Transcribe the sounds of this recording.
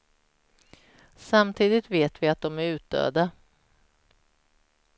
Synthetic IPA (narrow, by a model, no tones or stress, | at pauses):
samt̪ʰiːd̪ɪt̪veːt̪vɪat̪̚d̪ɔmæɾʉ̟ːt̪̚d̪ø̰ːd̪a